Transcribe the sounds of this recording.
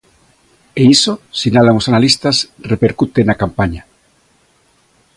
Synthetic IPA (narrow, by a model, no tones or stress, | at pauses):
eisosinalaŋosanalist̪asrepeɾkut̪enakampaɲa